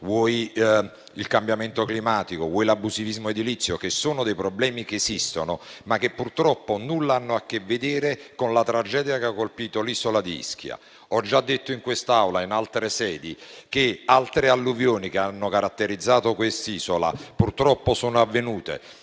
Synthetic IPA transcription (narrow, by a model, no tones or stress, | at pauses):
vwɔj | ilkambjament̪oklimaːt̪ikovwɔjlabːuzivizmoed̪ilit̪sːjokesːoːnod̪ɛjpɾoblɛːmik̟eːsist̪onomakːepːurt̪ɾɔpːonulːaanːoak̟ːevːed̪iːɾekonlat̪ɾad͡ʒɛːd̪jakeakːolpiːt̪oliːsolad̪iḭsk̟ja̰ | ɔd͡ʒːad̪ːet̪ːoiŋkwest̪aawlainalt̪ɾesɛːd̪ik̟ealt̪ɾealːuvjoːnik̟eanːokaɾat̪ːeɾid̪zːaːt̪okwest̪iːsola̰purt̪ɾɔpːosoːnoavːenuːt̪ḛ